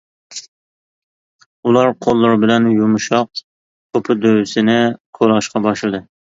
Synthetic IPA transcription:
ulˠɑɾqʰolˠːɑɾbɪlɛnjumʃɑq̚ | kʰopʰɪd̪øwɪsɪnɪqʰolˠɑʃqɑbɑʃlˠɨd̪ɨ

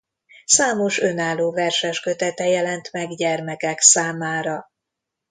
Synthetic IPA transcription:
saːmo̞ʃø̞naːlːoːvɛrʃɛʃkø̞t̪ɛt̪ɛjɛlɛnt̪mɛɡɟɛrmɛkɛksaːmaːɾɒ

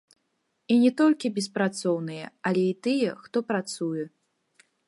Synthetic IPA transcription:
inʲɛt̪ɔlʲkʲibʲɛspɾat̪sɔwnɨjɛ̰alʲɛit̪ɨjɛxt̪ɔpɾat̪sujɛ

